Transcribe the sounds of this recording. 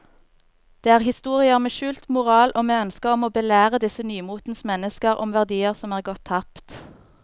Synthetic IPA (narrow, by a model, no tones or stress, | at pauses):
d̪̥eːæːʁhɪst̪uːʁɪəmeːʃʉːlt̪mʊʁɑːlʔoːmeːœnskəʁɔmoːbəlæːʁəd̪ɪsənyːmuːt̪n̩smɛnəskəʁɔ̰mʋæʁd̪iːəʁsɔmæːʁɡɔt̪ʰːɑpt̪